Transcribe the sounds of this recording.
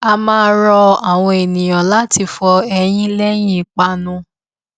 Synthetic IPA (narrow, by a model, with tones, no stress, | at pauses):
a˧mãː˦ɾɔ˧a˨w̃ɔ̃˧e˨nĩ˨ɔ̃˨la˦ti˧fɔ˧ɛ˧j̃ĩ˦lɛ˦j̃ĩ˦˨k͡pa˧nũ˧˦